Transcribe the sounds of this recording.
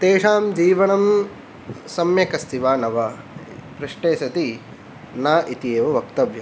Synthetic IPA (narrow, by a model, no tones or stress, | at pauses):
t̪eːʂaːmd͡ʒiːʋɐɳɐm | sɐmjɐkɐst̪iʋaːnɐʋɐ | pɾiʂʈeːsɐt̪i | naːʔit̪ieːʋɐʋɐkt̪ɐʋjɐ